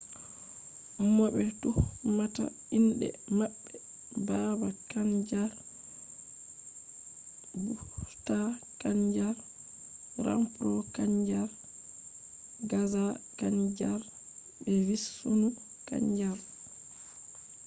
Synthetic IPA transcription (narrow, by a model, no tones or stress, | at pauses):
mɔbɛtuhmata̰ | indɛ̰maɓːɛ | babakaɲd͡ʒaɾ | buta | kaɲd͡ʒaɾ | ɾa̰mpɾɔkaɲd͡ʒaɾ | ɡazakaɲd͡ʒaɾ | bɛvisːonu | ka̰ɲd͡ʒaɾ